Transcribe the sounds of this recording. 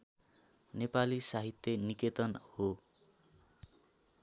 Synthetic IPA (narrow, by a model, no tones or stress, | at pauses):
nepalisaɦit̪jʌniket̪ʌnho